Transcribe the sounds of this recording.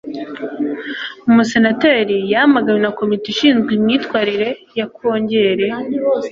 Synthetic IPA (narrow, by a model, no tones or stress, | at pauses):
umuse̞nateːɾijahamaɡaɲenako̞mitiʃiːnzɡwimɲiːtwaːɾiɾe̞jakʰo̞ːɲɟe̞ɾe̞